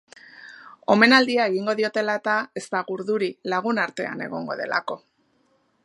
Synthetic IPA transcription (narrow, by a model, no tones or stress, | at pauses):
o̞me̞nald̪iae̞ɣiŋɡo̞ðio̞t̪e̞laet̪ae̞st̪aɣuɾðuɾilaɣ̞unaɾt̪e̞a̰ne̞̰ɣ̞o̞ŋɡo̞̰ðe̞̰la̰ko̞